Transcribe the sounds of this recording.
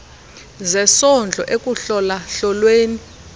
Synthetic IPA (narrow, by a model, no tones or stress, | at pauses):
zɛsɔnd͡ɮʱɔ̰ʔekʼuɬɔlaɬɔlweːni